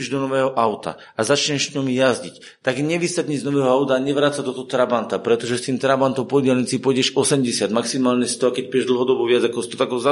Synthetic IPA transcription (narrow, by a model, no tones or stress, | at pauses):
iʒd̪ɔnɔʋɛːɦɔʔaʊt̪a̰ | azat͡ʃɲɛʃsɲɔmjazɟic | t̪aɡɲɛʋist̪aɟɲid͡zznɔʋɛːɦɔaʊt̪aːɲɛʋɾaːt͡sad̪ɔt̪ɔɦɔt̪ɾabant̪apɾɛt̪ɔʒɛst̪iːmt̪ɾabant̪ɔmpɔdɪɛlɲit͡sipɔjɟɛʒɔsɛmɟɛsɪad̪maksimaːlɲɛst̪ɔʋakɛc̚pɛʒd̪l̩ɦɔd̪ɔbɔʋɪad͡zakɔsit̪ɔt̪aɡɔza